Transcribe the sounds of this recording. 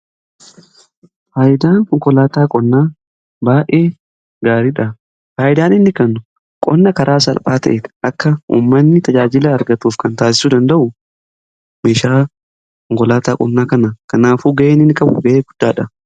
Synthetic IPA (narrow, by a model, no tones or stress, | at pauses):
faːjɪd̪aːnkɔŋkɔlaːt̪aːkʼɔnːaː | baːʔe̞ː | ɡaːɾiːᶑɐ | faːjɪd̪aːnɪnːɪkɐnːʊ | kʼɔnːɐkɐɾaːsɐ̰lpʼaːt̪ɐʔet̪ɐkːɐṵːmːɐnːɪt̪ɐd͡ʒaːd͡ʒɪlɐːɾɡɐt̪uːfkɐnt̪aːsɪ̥suːd̪ɐnd̪ɐʔʊ | meːʃaː | kɔŋkɔlaːt̪aːkʼɔnːaːkɐnɐkɐnaːfuːɡɐʔeːnɪnːɪkʼɐbʊ̰ɡɐʔeːɡʊd̪̥ːaːᶑɐ